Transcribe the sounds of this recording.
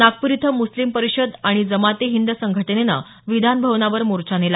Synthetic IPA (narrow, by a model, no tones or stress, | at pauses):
nak̚puɾit̪ʰəmuslimpəɾiɕəd̪aɽ̃id͡zəmat̪eɦind̪əsəŋɡʱəʈənena̰ | ʋid̪ʱanbʱəʋnaʋəɾmuɾt͡ɕanela